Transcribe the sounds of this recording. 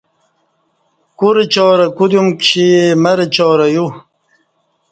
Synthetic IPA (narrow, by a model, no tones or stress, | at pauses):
kuɾet͡ɕɔːɾɐkudjumkɕimɐɾet͡ɕɔːɾɐju